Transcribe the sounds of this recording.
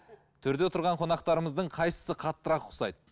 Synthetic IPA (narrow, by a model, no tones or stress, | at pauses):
t̪ʰʏɾd̪e̞t̪ʰʊɾʁɑɴqʰo̞nɑq̚t̪ɑɾəməzd̪əɴqʰɑjsə̥səqʰɑt̪ːəɾɑqʰʊ̥sɑ̰jd̪ə